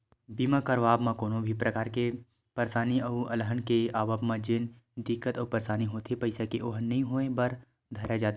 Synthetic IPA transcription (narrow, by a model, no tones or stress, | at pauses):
biːmãkɐɾʋaːbmãkoːnõbʱipɾʔɐkaːɾke | pəɾsaːniɐɐləɦənkeaːʋabmãd͡ʒɪn | d̪ɪkːət̪ɔːpɐɾsaːniɦoːt̪ʰepɐɪsekeʔoːɦnɐɦĩɦoːẽbɐɾ | d̪ʱɐɾad͡ʒaːt̪ː